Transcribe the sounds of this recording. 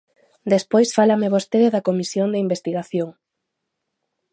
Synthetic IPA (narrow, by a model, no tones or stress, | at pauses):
d̪espojsfalameβost̪eðeðɐkomisjond̪eimbest̪iɣaθjoŋ